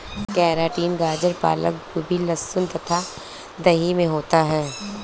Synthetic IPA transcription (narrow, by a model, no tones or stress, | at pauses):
kɛːɾaːʈiːnɡaːd͡ʒəɾpa̰ːlə̰kkobʱilɐsʊnt̪ɐt̪ʰa | d̪ɐɦimẽɦoːt̪aɦɛː